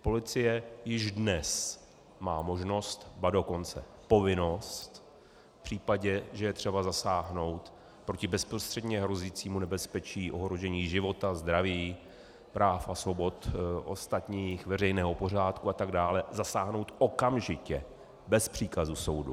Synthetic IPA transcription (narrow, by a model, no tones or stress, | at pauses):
po̞lɪt͡sɪjɛjɪʒdnɛs | maːmo̞ʒno̞st̪bado̞ko̞nt͡sɛ̰ | po̞vɪno̞st̪ | fpr̥iːpaɟɛʒɛjɛt̪r̥ɛbazasaːɦno̞wt̪ | pɾocɪbɛspɾost̪r̥ɛdɲɛɦɾo̞ziːt͡siːmunɛbɛspɛt͡ʃiːʔo̞ɦɾo̞ʒɛɲiːʒɪvo̞t̪azd̪ɾaviː | pɾaːfasvo̞bo̞t̪ʔo̞̰st̪at̪ɲiːxvɛrɛjnɛːɦo̞po̞r̝aːt̪kuat̪aɡdaːlɛzasaːɦno̞wt̪ʔokamʒɪcɛ | bɛspr̝̥iːkazuso̞wdṵ